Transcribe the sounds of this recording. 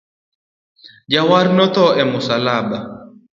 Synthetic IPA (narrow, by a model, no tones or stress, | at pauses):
d͡ʒawaɾnɔt̪ɔɛmʊsalaba